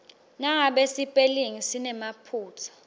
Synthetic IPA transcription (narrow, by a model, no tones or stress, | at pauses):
naŋaɓesipʼeliŋisinɛmapʰuːtʰḁ